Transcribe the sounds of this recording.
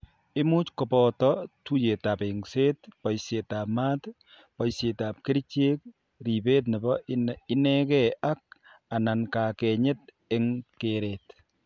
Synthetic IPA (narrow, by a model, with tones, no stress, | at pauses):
ɪ˦mu˦t͡ʃkɔ˨pɔtɔ˦tu˦je˨ta˨pe˨ŋse˦tpɔ˨jse˨ta˨pmaː˦t | pɔ˨jse˨ta˨p̚ke˦ɾt͡ʃe˦k̚ | ɾi˨be˦t̬nɛ˨bɔ˦ɪ˦nɛ˦kɛ˦ʔa˦k̚ | a˨na˨nka˨kɛ˨ɲɪ˦t̚ | ɪ˦ŋkeɾe˨t